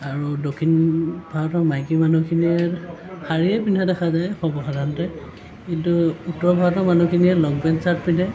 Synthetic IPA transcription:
aɹudokʰinb̥ʱatɔmajkimanukʰiniɛxaɹiɛpinʱadaxazajxɔbɔxadantɛ | kintuutɔɹbʱatɔmanukʰiniɛlɔɡ̚bɛnsaɹt̚pinda

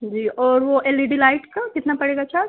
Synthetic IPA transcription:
d͡ʒiːʔɔːɾʋoʔeliɖilaːɪʈkakɪt̪napɐɽeːɡat͡ʃʰaː

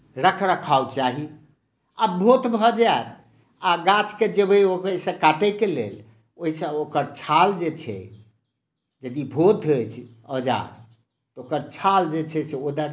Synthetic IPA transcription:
ɾəkʰɾakʰaut͡ʃaɦi | abʱot̪bʱɔd͡ʒaet̪ | aɡat͡ʃked͡ʒebʱiokisə̃kaʈekelḛl | oɦisə̃okəɾt͡ʃʰald͡ʒet͡ʃʰɛ̰ | d͡ʒəd̪ibʱot̪ɦet͡ʃʰ | əd͡ʒa̰ɾ | t̪ɔokəɾt͡ʃʰald͡ʒet͡ʃʰɛseod̪əɾ

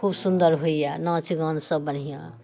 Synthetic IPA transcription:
kʰubsund̪ʌɾɦojjanʌ̃t͡sʰiɡʌ̃nsʌbʌnijã̰

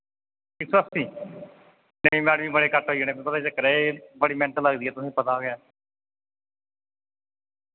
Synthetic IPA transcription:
ʈʰɪksəst̪iː | nəĩːmɛ̃ːɽʋiːbəɽeːkəʈɦoːinẽːpepət̪aːt͡ʃəkːəɾebəɽiːmɛ̃ːnət̪əlːəɡd̪iːɛːt̪ʊsĩːpət̪aoɡɪjaː

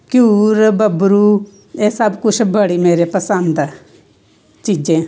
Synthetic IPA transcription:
kjuːɾbəbɾuː | eːsəbkʊt͡ʃʰbəɽiːmeːɾeːpəsənd̪ | t͡ʃiːd͡ʒẽː

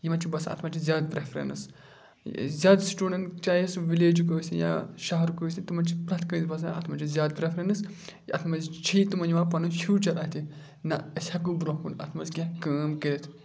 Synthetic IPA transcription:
jimɐt͡ʃibɐsaɐ̰t̪ʰmɐt͡ʃizʲjaːd̪̚pɾefʰɾḛnɐs | zʲaːd̪sʈuːɖent͡ʃaːjesʋileːd͡ʒkoːsʲija̰ːʃɐɦɐɾukosʲit̪umɐt͡ʃipɾɐt̪ʰkɐzbɐs̬aɐ̰t̪ʰmɐt͡ʃizʲaːd̪̚pɾefʰɾenɨsjiʔɐt̪ʰmɐzt͡ʃʰit̪umɐnd͡ʒʋaːpɐnusʰuːt͡ʃɐɾɐt̪ʰi | nɐəsʲhɐk̬ubɾoːkunɐ̰t̪ʰmɐzɡʲekɐːmkeɾit̪ʰ

